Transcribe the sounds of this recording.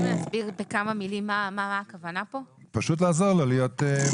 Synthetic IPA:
nasbiʁbekamamilimːamaaːkavanapo̞paʃut̬laːzoʁlolijote

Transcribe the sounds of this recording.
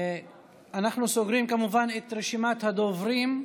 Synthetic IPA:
anaχnusoɡɾimkamuvanet̪ɾeʃimat̪had̪ovɾim

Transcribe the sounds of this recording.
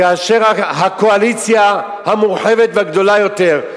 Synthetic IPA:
aːʃeʁaɦakoalit͡sja | hamuʁħe̞vet̪veaɡd̪o̞lajo̞te̞ʁ

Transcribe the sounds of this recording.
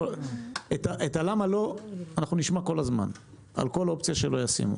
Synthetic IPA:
et̪aʔetalamalo̞anaχnuniʃmako̞lazma̰n | a̰lko̞lo̞pt͡sijaʃelo̞jasḭmṵ

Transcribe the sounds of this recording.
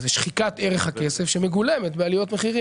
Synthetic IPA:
zeʃχikat̪eʁeχhakesefʃemeɡulemet̪bealijo̞t̪me̞χiʁi

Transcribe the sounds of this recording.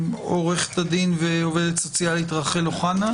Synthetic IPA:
moʁeχt̪ad̪inveove̞d̪et̪sot͡sjaleit̪ʁaχeloχana

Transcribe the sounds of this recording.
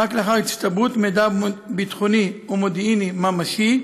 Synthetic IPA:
akleaχaʁit̪t͡st̪abut̪med̪abit̪χoniomod̪inimamaʃi

